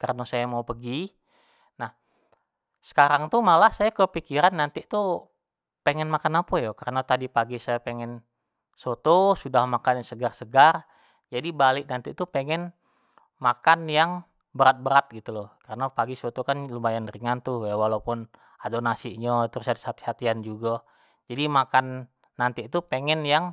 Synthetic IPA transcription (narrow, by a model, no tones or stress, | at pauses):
karənosajamaupəɡi | nah | sə̥kaɾaŋt̪umalahsajakəpikiɾanːant̪it̪u | pɛŋɛnmakanapəjokəɾənat̪adipaɡisajapɛŋɛn | sot̪osudahmakanjaŋsəɡarsəɡar | d͡ʒadibalɪʔnant̪it̪upɛŋɛn | makanjaŋ | bəɾat̪̚bəɾat̪̚ɡit̪ulɔkaɾənapaɡisot̪okanlumajanɾiŋant̪ujawalapʊn | adonasiʔɲət̪ɾusadsat̪i̥hat̪iand͡ʒuɡa | d͡ʒadimakanː | ant̪iʔt̪upeŋɛnjaŋ